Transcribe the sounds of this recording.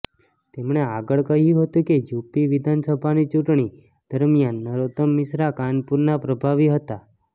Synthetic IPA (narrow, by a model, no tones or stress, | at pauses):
t̪emɳeaɡəɭkəɦjũɦət̪ũked͡ʒupiʋid̪ʱansəbʱanit͡ʃuʈɳ̃i | d̪̥əɾmijanːəɾot̪əmːɪsɾakanpuɾnapɾəbʱaʋiɦət̪a